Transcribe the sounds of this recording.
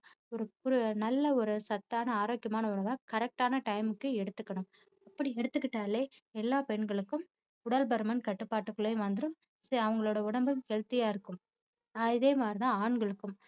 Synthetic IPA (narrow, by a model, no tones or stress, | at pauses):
ɔɾɯkʊɾɯnɐlːɐɔɾɯsɐt̪ːaːnɐaːɾoːkːjɐmaːnɐʊɳɐʋaːkɐɾɛk̚ʈaːnɐʈɐɪmɯkːɯɛɽɯt̪ːɯkːɐɳɯm | ɐpːɐɽiɛɽɯt̪ːɯkːɪʈːaːleː | ɛlːaːpɛɳɡɐɭɯkːɯm | ʊɽɐlbɐɾɯmɐnkɐʈːɯpːaːʈːɯkːɯɭejʋɐnd̪ɯɾɯm | sɐɐʋɐŋɡɐɭoːɽɐʊɳɐmbɯmkeːɻt̪ɪjaːɪɾɯkːɯm | aːɪðeːmaːd̪ɾit̪ãːaːɳɡɐɭɯkːɯm